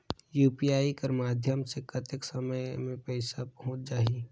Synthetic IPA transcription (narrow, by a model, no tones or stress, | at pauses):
juːpiaːikəɾmaːd̪ʱjəmsekət̪ɪksəməjmẽpɛɪsapəɦõːt͡ʃ̚d͡ʒaːi